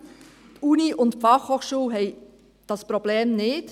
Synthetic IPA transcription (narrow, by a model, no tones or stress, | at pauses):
uːniʔʊntpfɑχhoːχʃuːlɦɛɪ | d̥ɑsprob̥leːmnɪt